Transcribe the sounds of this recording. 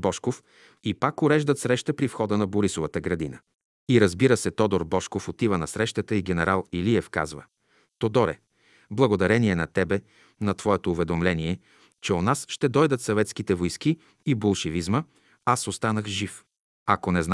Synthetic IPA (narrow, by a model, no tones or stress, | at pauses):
bɔʃkof | ipakʊɾɛʒd̪ət̪sɾɛʃt̪əpɾifxɔd̪ənɐboɾisovət̪əɡɾɐd̪inə | iɾɐzbiɾəsɛt̪ɔd̪oɾbɔʃkofot̪ivənɐsɾɛʃt̪ət̪əiɡɛnɛɾalˠiliɛfka̰zvə̰ | t̪od̪ɔɾɛ̰ | blˠɐɡod̪ɐɾɛniɛnɐt̪ɛbɛ | nɐt̪vɔɛt̪oːvɛd̪omlɛniɛ | t͡ʃɛonasʃt̪ɛd̪ɔjd̪ət̪sɐvɛt̪skit̪ɛvojski | ibolˠʃɛvizmə | asost̪anəxʒif | ɐkonɛzn